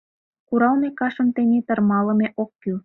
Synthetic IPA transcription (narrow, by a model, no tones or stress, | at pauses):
kuɾɑlmekɑʃə̆mt̪enʲet̪ə̆rmɑlə̆meʔokːy